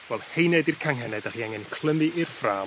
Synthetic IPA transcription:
vɛlˠhejnɛdirkʰaŋɦɛnɛdaχiːaŋɛnkʰlˠəmɨʔɪrfraː

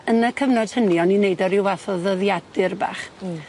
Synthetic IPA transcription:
ənəkʰəvnɔd̥həniɔninejdɔɾɪwvaθɔðəðjadɨrba̰ːχ

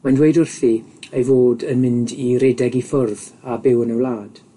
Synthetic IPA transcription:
mandwejdʊrθiejvoːdənmɪ̃ndiɾeːdɛɡifʊrðabɪwənəwlˠaːd̥

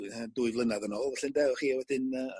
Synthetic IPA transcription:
adʊːɨvlˠənaðənɔːlˠvɛɬɪndɛɔχiːwɛd̥ɪnə

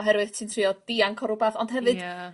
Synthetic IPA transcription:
ɦɛɾwɨθtʰɨntʰriːɔd̥iaŋkʰɔɾʊbaθɔnd̥hɦɛvɨd̥

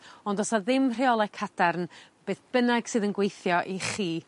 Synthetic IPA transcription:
ɔndɔsaðɪmr̥iɔlˠɛkʰad̥arnb̥eːθb̥ənaɡ̥sɨːðənɡwejθjɔʔiχiː

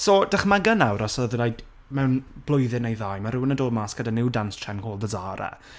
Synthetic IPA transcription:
soːd̥aχmaɡənawɾɔsɔðrajd | mɛwnb̥lˠʊjðɪnejðaːjmaɾʊwnədoːmaːsɡ̥ədanɪwdanstʰrɛnkʰoːlˠdəzaːɾa̰

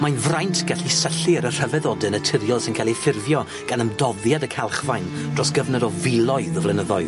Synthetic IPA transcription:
manvrajntʰɡ̥aɬisəɬiəɾər̥əvɛðɔdɨnətʰɪɾjɔlˠsɪnkʰalˠifɪrvjɔ | ɡ̥anəmdɔðjadəkʰalˠχvajndrɔsɡ̥əvnədɔvɪlˠɔɨðəvlɛnəðɔɨð

